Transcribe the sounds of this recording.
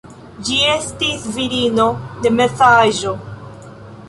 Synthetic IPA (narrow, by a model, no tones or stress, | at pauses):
d͡ʒiestisviɾinode̞mesaʒo̞